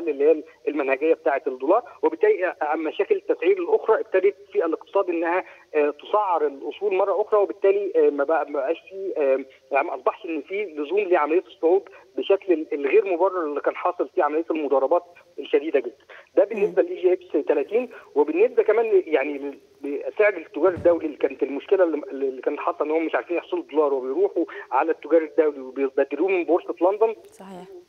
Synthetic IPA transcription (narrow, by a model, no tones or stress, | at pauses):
ælːelːeæːl | elmænhæɡejːæbet̪aːʕet̪ed̪ːoːlɑːɾˤwebet̪ːæːlimːæʃæːkelet̪ːæsʕiːɾelʔoxɾˤɑːʔeb̚t̪æd̪ed̪fiːʔæleq̚t̪ɨ̥sˤɑːd̪ʔenːæhæt̪osˤɑʕːɑɾˤelʔosˤuːlmɑrˤːɑʔoxɾˤɑwebet̪ːæːlimæbæmæbæʔæːʃfiː | janʔɑsˤbɑħʃʔenːfiːlozuːmliːʕamælejːæt̪esˤːoʕuːb̪beʃækleelɣeːɾmobɑrˤːɑɾˤelːikæːnħɑːsˤelfiːʕamælejːæt̪elmod̪ɑrˤɑbɑːt̪ | elʃæd̪iːd̪æɡed̪ːænd̪æbenːesbælʔiːʒeʔebst̪ælæt̪iːnwebenːesbækæmæːnljaʕnile | beʔæsæːʕed̪et̪ːoɡæːɾˤed̪ːæwlilːikæːnet̪elmoʃkelælːlːikæːnet̪ħɑːˤesˤʔenːhomæmeʃʕaɾfiːnjeħsˤoled̪ːolɑːɾˤwebejɾuːħuʕalæt̪ːoɡæːɾˤed̪ːæwliwebejebæd̪eɾuːmenboɾset̪lɑnd̪onsɑi